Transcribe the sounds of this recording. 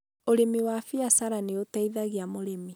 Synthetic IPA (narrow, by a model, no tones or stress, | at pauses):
oɾemiwafiasaɾaneotaiðaɣiamoɾemi